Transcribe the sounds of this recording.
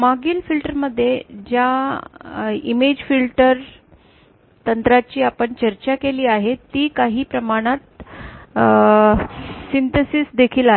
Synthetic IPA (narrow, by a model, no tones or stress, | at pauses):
maɡiːlfilʈəɾməd̪ʱːjed͡ʑja | ḭmed͡ʑfilʈəɾ | t̪ənt̪ɾat͡ɕiːapəɳt͡ɕəɾt͡ɕakeliːaɦet̪ːiːkaɦiːpɾəmaɽ̃at̪ | sint̪esiːsd̪ekʰiːlaɦ